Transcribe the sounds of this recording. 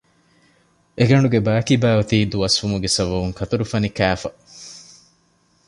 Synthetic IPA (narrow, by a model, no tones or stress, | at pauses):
ʔeɡɐɳɖuɡebæːkibæːʋɐt̪iːd̪uɐsʋumuɡesɐʋɐʋuŋkʰɐt̪ɐɾufɐnikæːfɐ